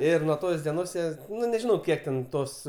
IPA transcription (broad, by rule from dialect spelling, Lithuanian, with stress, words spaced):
ˈɪr nuɔ ˈtoːs dʲiɛˈnoːs ˈjiɛ ˈnʊ nʲɛˈʒʲɪnɐʊ ˈkʲiɛk tʲɛn ˈtoːs